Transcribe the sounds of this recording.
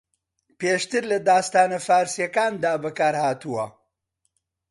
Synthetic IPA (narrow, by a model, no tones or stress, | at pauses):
peːʃt̪ɨɾlɐd̪aːst̪aːnɐfaːɾsijɐkaːnd̪aːbɐkaːɾhaːt̪uwɐ